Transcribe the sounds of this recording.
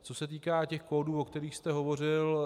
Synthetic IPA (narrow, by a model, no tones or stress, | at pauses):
t͡so̞sɛt̪iːkaːcɛxkoːduːokt̪ɛɾiːxst̪ɛɦo̞vo̞r̝ɪl